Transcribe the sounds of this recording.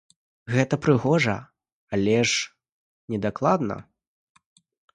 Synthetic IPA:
ɣɛt̪ɐpɾɨɣɔʐɐ̰ | alʲɛʂ | nʲɛd̪aklˠad̪nɐ̰

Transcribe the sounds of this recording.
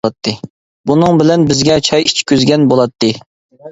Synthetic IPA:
ɑt̪ʰːɨ | bunɨŋbɪlɛnbɪzɡʲɛt͡ʃʰɑjit͡ʃʰkʲøzɡʲɛnbolˠɑt̪ʰːɨ

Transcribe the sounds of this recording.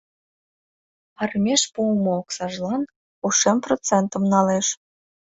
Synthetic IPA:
ɑrmʲeʃpumŏoksɑʒlɑn | uʃemprot͡sent̪ə̆mnɑleʃ

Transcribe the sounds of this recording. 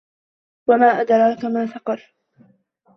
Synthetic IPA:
wamaːʔad̪ɾˤɑːkamaːθɑqɑɾˤ

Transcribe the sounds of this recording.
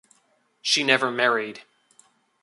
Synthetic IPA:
ʃinɛvə˞mɛɹid̥

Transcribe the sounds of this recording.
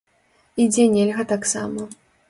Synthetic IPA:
id͡zʲɛnʲɛlʲɣɐt̪aksa̰mɐ

